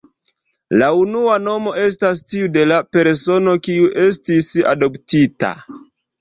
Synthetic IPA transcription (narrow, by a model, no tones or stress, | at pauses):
launuano̞mo̞e̞s̬tastiude̞lape̞ɾso̞no̞kiuʔe̞s̬tisa̰do̞ptita̰